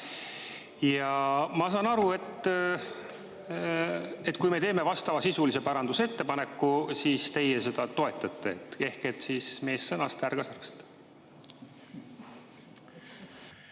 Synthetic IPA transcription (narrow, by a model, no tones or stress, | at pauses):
jɑmɑsɑːnɑɾue̞t̪ː | e̞t̪ːˑkujme̞t̪e̞ːme̞vɑst̪ɑvɑsisulise̞pɑɾɑnd̪usee̞t̪ːe̞pɑne̞kːusiːst̪e̞jese̞d̪̥ɑt̪o̞e̞t̪ˑːɑt̪ːˑe̞et̪ːˑe̞hke̞t̪ːˑsiːsme̞ːsːɤnɑst̪ærɡ̥ɑsɑrkst̪